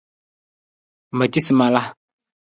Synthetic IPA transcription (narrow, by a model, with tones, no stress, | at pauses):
mə˨t͡ʃi˦si˨ma˨la˦